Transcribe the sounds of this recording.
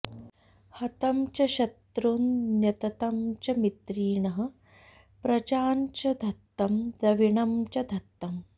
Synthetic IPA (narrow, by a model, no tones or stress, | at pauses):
hɐt̪ɐmt͡ʃɐʃɐt̪ɾunnjɐt̪ɐt̪ɐmt͡ʃɐmit̪ɾiːɳɐɦɐ̆ | pɾɐt͡ʃaːnt͡ʃɐd̪ʱɐt̪ːɐmd̪ɐʋiɳɐmt͡ʃɐd̪ʱɐt̪ːɐm